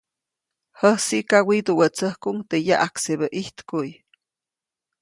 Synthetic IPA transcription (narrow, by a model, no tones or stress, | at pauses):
həhsiʔkawid̪uwət͡səhkuŋt̪ejaʔakseβəʔiht̪kuj